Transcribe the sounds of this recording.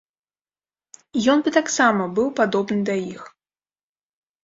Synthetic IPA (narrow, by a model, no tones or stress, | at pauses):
jɔnbɨt̪aksamɐbɨwpad̪ɔbnɨd̪ɐjix